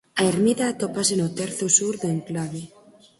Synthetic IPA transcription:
aeɾmiðaːt̪opas̬enot̪eɾθosuɾðeŋklaβe

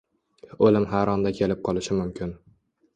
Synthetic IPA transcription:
olɪmɦaɾɒnd̪akʲʰe̞lɪp̚qʰɒlˠɪʃɪmʊmkʲʰɪn

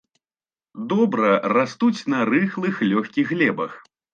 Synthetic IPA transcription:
d̪ɔbɾɐrast̪ut͡sʲnɐɾɨxlˠɨxlʲɔxʲkʲiɣɣlʲɛbɐx

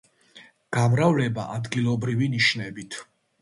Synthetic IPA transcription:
ɡ̥amɾavlɛba̰ʔad̪ɡilˠɔbɾiviniʃnɛbit̪ʰ

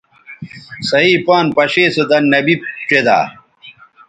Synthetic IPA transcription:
sɐɦiːpaːnpɐɕeːsed̪ɐnːɐbib̚t͡ɕed̪a̰ː

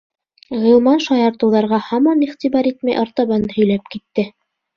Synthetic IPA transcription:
ʁĭlˠmɑnʃɑjɑɾt̪ɤ̆wðɑɾʁɑhɑmɑniχt̪iβɑɾit̪mæjʔɑɾt̪ɑβɑnɤhɵ̆jlæp̚kit̪ːɘ

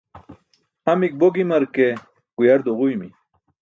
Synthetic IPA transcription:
hɐmik̚boɡimɐɾke | ɡ̥ujɐɾd̪oʁujmi

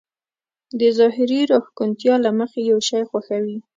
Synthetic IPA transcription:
d̪əzɑɦɪɾiɾoxkunt̪jɑlaməxejawʃɑjxwaxawi

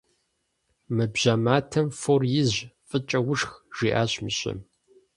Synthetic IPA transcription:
mɨbʑ̥amaːtʰɐmforjɪzʑfʼɨt͡ʃʼɐwʊʂxʒ̥iːʔa̰ːɕmɨɕʼɪ̰m

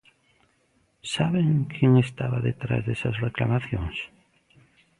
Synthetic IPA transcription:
saβeŋkʰeŋest̪aβaðet̪ɾa̰zðesasreklamaθjõŋs

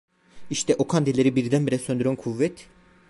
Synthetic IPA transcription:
iʃt̪ʰɛʔokʰand̪elʲeɾibiɾd̪ænbiɾɛsø̞nd̪yɾænkʰuvːɛt̪

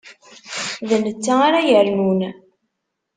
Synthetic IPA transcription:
ðənət͡sːaaɾajəɾnun

